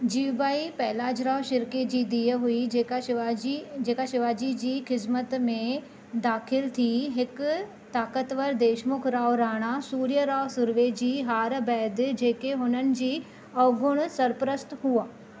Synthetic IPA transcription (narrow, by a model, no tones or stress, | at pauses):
d͡ʑiʋbaːipɛɦlaːd͡ʑɾaːʋʃɪɾked͡ʑiːd̪iːəɦuiaid͡ʑeːkaʃɪʋaːd͡ʑid͡ʑiːxɪzmət̪mẽ | d̪aːxʰɪlt̪ʰiɦɪk | t̪aːkət̪ʋəɾd̪eːʃmʊkʰɾaːʋɾaːɽ̃asuːɾijəɾaːʋsʊɾʋed͡ʑiːɦaːɾbɛːd̪d͡ʑeːkeɦʊnənɪ̆d͡ʑiː | ɐʋɡʊɽ̃sɐɾpɾəst̪ɦuaː